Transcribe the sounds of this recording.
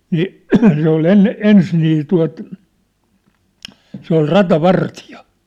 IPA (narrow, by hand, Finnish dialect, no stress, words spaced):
niːʔ se ol enːe ens niː tuɑ̝t se ol rɑtɑʋɑrtijɑ